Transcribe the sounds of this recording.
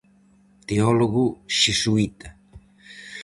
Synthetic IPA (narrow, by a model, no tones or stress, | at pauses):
t̪eɔloɣuʃesuit̪a